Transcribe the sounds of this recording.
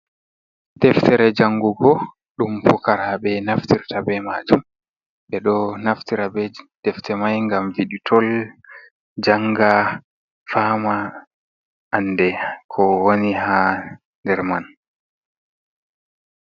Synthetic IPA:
tɛftʰɛɾɛd͡ʒaŋːɡuɡɔ | ɗumfukaɾaɓɛnaftiɾtabɛmad͡ʒum | ɓɛɗɔnaftiɾabɛtɛftʰɛmajŋɡamviɗitʰɔl | d͡ʒaŋɡa | faːma | ʔːnːdɛkʰɔwoniɦa | ndɛɾman

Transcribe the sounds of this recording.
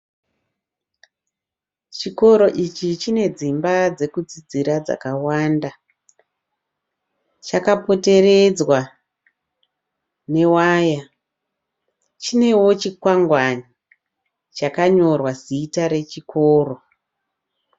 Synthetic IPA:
t͡ʃiko̞ɾo̞ʔit͡ʃit͡ʃine̞d͡zimbad͡ze̞kud͡zid͡ziɾad͡za̰kawanda | t͡ʃakapo̞te̞re̞d͡zwa | ne̞waːja | t͡ʃine̞wo̞t͡ʃikwaŋɡwani | t͡ʃakaɲo̞rwasiːtaɾe̞t͡ʃikʰoːro̞

